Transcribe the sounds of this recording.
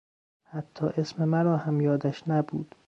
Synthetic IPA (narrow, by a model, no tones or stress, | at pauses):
hæt̪ʰːɒːʔesmemæɾɒːhæmjɒːd̪æʃnæbṵːd̪̥